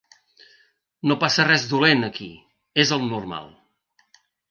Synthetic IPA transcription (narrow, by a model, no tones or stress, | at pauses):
nopasərɛzðulenəki | ezəlˠnuɾma̰lˠ